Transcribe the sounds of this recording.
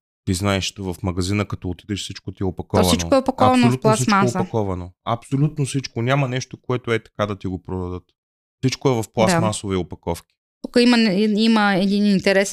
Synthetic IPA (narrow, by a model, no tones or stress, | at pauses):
t̪iznaɛʃt̪ovɐfmɐɡɐzinəkɐt̪ɔot̪id̪ɛʃfsit͡ʃkot̪iɛopɐkɔɔvsɐint͡ʃo̰oɛopɐkɔavɐnolutp̪lˠasimt͡ʃaoːpɐkɔvɐnoɐpsolʲut̪̚nofsit͡ʃkonʲamɐnɛʃt̪okoɛt̪oɛt̪ɐ̥kad̪ɐt̪iɡopɾod̪ɐd̪ət̪ | fsit͡ʃkoɛvɐfplˠasmasoviopɐkɔfkʲi̥ | t̪ukəiməiməɛd̪inint̪ɛɾɛs